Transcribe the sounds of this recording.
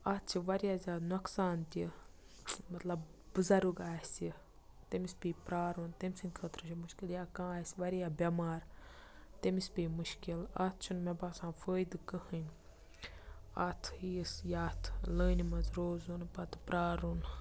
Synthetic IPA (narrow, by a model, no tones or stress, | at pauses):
at̪̚ʰt͡ʃʰiʋɐɾijazʲaːd̪nɐksaːnt̪ʲi | mɐt̪lɐbːɨzɐɾuɡaːsi | t̪emispʲiːpɾaːɾunt̪emʲsɨnʲkʰəːt̪ɾɨt͡ʃʰimuʃkiljaːkãːaːsʲʋɐɾijaːbʲɐmaːɾ | t̪emispʲiːmuʃkilat̪̚ʰt͡ʃʰunmɛbaːsãːfəːjd̪kəhɨnʲ | a̰t̪ʰhiːsjaːt̪ʰləːnʲimɐzɾoːzunpɐt̪pɾaːɾun